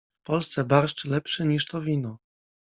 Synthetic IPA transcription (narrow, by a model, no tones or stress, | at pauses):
fpɔlst̪sɛbaɾʂt͡ʂlɛpʂɘɲiʂt̪ɔvʲinɔ